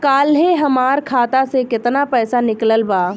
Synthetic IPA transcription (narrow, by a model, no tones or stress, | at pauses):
kaːlɦeɦɐmaːɾkʰaːt̪asekɪt̪napɛːsanɪkləlbaː